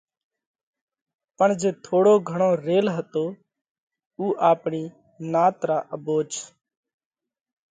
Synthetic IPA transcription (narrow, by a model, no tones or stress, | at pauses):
pəɳd͡ʒeːt̪ʰoːɽoːɡʱəɳoːɾeːlɦət̪oː | uːʔaːpɳiː | naːt̪ɾaːʔəboːd͡ʒ